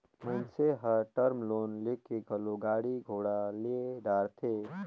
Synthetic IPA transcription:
məɪnseɦəɾʈəɾmloːnlekeɡəloɡaːɽiɡʱoːɽaleed̪aːɾt̪ʰe

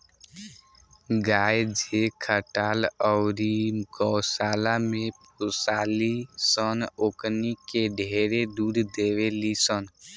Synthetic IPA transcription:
ɡaːjd͡ʒekʰəʈaːləʊɾiɡɔːsaːlamẽp | usaːlisənoknikeɖʱeːɾed̪uːɾd̪eʋelisən

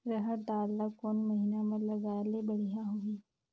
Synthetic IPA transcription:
ɾəɦəd̪aːlːakoːnmɐɦinamɐɾlɐɡaːlebɐɽ̤ijãɦoiː

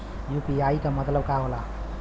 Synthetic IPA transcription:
jupiaikəmət̪ləbkaɦola

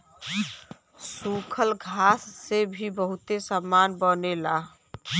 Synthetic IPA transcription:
sukʰəlɡʱasːebʱibəɦut̪esəmːanbənelaɦ

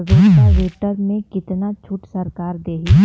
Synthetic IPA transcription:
ʋeːsaʋeːʈəɾmẽkɪt̪nat͡ʃʰuːʈsɐɾkaːɾd̪eːɦi

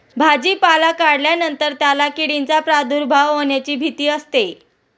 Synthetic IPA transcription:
bʱad͡ʑiːpalakaɽljanənt̪əɾt̪jalakiɽint͡sapɾad̪uɾbʱaʋɦoɳjat͡ɕiːbʱit̪iːəst̪e

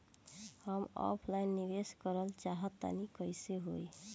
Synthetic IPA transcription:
həmɔ̰pʰlajnːibeskəɾəlt͡ʃaɦət̪ːa̰nikəjseɦoj

